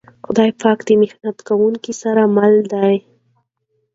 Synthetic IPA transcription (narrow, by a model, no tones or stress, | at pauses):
xʊd̪ɑjpɑkd̪əmɪxnat̪kawuŋkisaɾamald̪aj